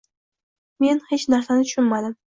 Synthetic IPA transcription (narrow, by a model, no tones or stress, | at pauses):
me̞nhe̞t͡ʃnaɾsanɪt̪ʰʊ̥ʃʊnmad̪ɪm